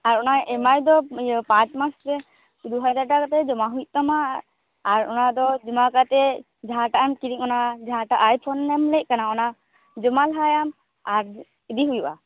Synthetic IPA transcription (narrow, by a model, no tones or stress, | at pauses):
aɾɔnaɛmajd̪ɔpãt͡ʃmasɾɛ | d̪uɦad͡ʒaɾʈakat̪ɛd͡ʒɔmaɦuj̚t̪ɔmaː | ɾɔnad̪ɔd͡ʒumakat̪ɛ | d͡ʒaɦaʈaʔɛmkiɾiŋɔnad͡ʒaɦaʈaʔajpʰɔnːɛmlɛt̪̚kanaɔna | d͡ʒɔmalɦajam | aɾ | id̪iɦujba̰